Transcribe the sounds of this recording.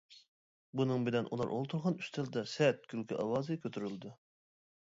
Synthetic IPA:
bunɨŋbɪlɛnʔṵlˠɑ̰ɾʔo̰lˠt̪ʰuɾʁɑnyst̪ʰɪld̪ɛsɛt̪̚kʲʰylkʲʰyʔɑwɑːzɨkʲʰøt̪ʰyɾyld̪u

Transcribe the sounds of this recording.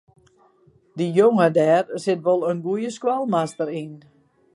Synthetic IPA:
dijoŋədɛːrsɪtʋolˠənɡujəskwalˠmastəɾin

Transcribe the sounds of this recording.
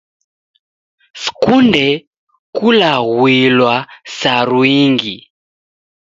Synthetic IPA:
si̥kundɛ | kulaɣwilwasaɾwiŋɡi

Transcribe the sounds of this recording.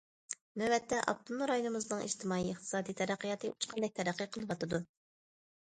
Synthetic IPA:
nɛbɛt̪ːɛʔɑ̰p̚t̪unɾɑjonɨmɨznɨŋḭʒt̪ʰɨmɑːiəχt̪ʰɨ̥sɑːd̪ijt̪ʰɛɾæqːijɑt̪ʰɨut͡ʃʰqʰɑnd̪ɛk̚ʲt̪ʰɛɾæqːiqʰəlˠɨvɑt̪ɨd̪u

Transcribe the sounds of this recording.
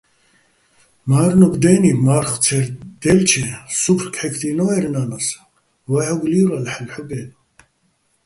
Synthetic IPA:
maːɾnuɡd̪ɛːnimaɾχt͡sʰɛɾd̪̥ɛlt͡ʃʰɛsupʰrkʰħɛkʰd̪inɔɛɾnanas | waʕɔɡliɾalħəlħuɡɛːn

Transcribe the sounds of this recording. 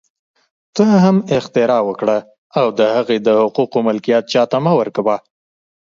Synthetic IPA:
t̪əɦamɪxt̪ɪɾɑwəkɽa | awd̪əhaɣed̪əhʊquqomɪlkijat̪̚t͡ʃɑt̪amawəɾkawa

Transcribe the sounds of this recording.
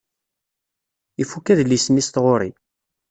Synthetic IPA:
ifukːæðlːismist̪ʁoɾi

